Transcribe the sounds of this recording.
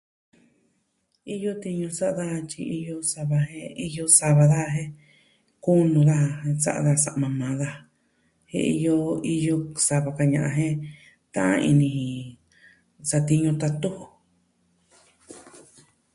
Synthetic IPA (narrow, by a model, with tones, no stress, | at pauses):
i˦jo˦t̪i˧ɲũ˧sa˦ʔða˦˧t͡ʃi˧i˧jo˧sa˧βa˧hẽ˧i˧jo˧sa˧βa˧ða˦˧ɦẽ˦ | ku˦nũ˧ða˦a˧ẽ˧t͡sa̰˦ʔa˧ða˧sa̰˨ʔmã˧mãː˨˦ða˧ | hḛ̃˦˧i˧jo˧i˧jo˧sa˧βa˧ka˧ɲã˨ʔã̰˧ɦẽ˦ | t̪ã̰˦ʔã̰˦˧ḭ˧nĩ˧hĩ˧ | t͡sa˧t̪i˧ɲũ˧t̪a˧t̪u˦ho˨